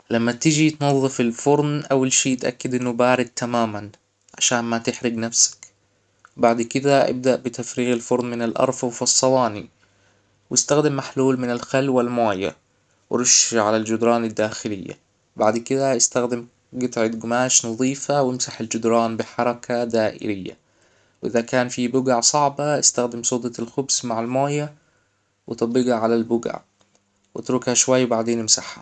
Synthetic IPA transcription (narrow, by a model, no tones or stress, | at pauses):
lamːat̪ɪd͡ʒit̪nɑðˤːɨfɪlfʊɾˤnʔawːalʃiːt̪ʔa̰kːɪd̪ʔɪnːʊbaːɾɪd̪̚t̪ʰamaːman | ʕa̰ʃaːnmat̪ɪħɾɪɡnafsḁk | baʕd̪kɪd̪aʔɪ̰b̚d̪aʔbɪt̪afɾiːɣalfʊɾˤnmɪnalʔɑ̰ɾˤfwfɑsˤːɑwɑːni | wʔɪst̪axd̪ɪmːaħluːlmɪnalxalwalmaːja̰ | wɾʊʃʕalald͡ʒʊd̪ɾˤɑːnad̪ːaːxɪlɪ̰jːa̰ | baʕd̪kɪd̪aʔɪst̪axd̪ɪm | ɡɪt̪ʕɪd̪ɡʊmaːʃnɑðˤiːfawɪmsaħald͡ʒʊd̪ɾˤɑːnbɪħɑɾˤɑkʰad̪aːʔɪ̰lɪjːa̰ | wʔɪðakaːnfibʊɡaʕsˤɑʕbaʔɪst̪axd̪ɪmsˤuːd̪ˤɑlxʊbsmaʕalmaːja | wɪt̪ˤɑbɪɡaʕalalbʊɡa̰ʕ | wɪt̪ɾukhaʃwajːwbaʕd̪eːnɪmsaħha̰